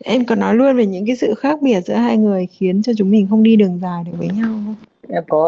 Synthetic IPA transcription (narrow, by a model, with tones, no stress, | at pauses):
ʔɛ˧mkɔ˨˩nːɔ˨˦jlu˧ənve˨˩ɲɨ̰˧˥ŋkaː˨˦jsɨ̰˧˨xaː˦˥k̚ɓi˧˩ət̚zɨ̰˧˥əɦaː˧jŋɨ˨˩əjxi˨˦ənt͡ɕɔ˧t͡ɕʊ˨˦ŋ͡mmï˨˩ŋ̟xə˧wŋ͡mɗi˧ɗɨ˨˩əŋzaː˨˩jɗɨ˨˩vəː˨˦ɲa˧w | ʔɛ˧˩kɔ˨˦